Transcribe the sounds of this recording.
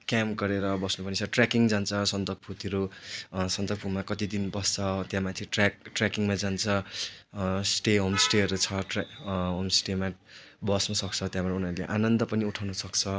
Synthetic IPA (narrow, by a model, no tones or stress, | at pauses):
kjamɡʌɾeɾʌbʌsnupʌnit͡sʰʌʈrakiŋd͡zant͡sʰʌsʌnt̪ʌk̚pʰut̪iɾusʌnt̪ʌkpʰumakʌt̪id̪inbʌst͡sʰʌt̪jãmat̪ʰiʈrak̚ʈrakiŋmad͡zant͡sʰʌ | sʈeɦomsʈeɦʌɾut͡sʰʌʈɦomsʈema | bʌsnʌsʌk̚t͡sʰʌt̪jãbʌɾunʌɾuleʔanʌnd̪ʌpʌniuʈʰawnʌsʌkt͡sʰʌ